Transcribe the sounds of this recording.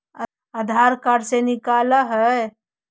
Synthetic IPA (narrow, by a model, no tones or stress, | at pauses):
əd̪ʱaɾkaɾsenikaləɦə